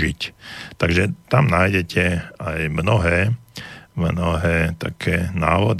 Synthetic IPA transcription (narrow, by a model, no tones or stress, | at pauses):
ict̪aɡʒɛt̪amnaːjɟɛcʰɛajmnɔɦɛː | mnɔɦɛːt̪a̰kʰɛːna̰ːʋɔd̪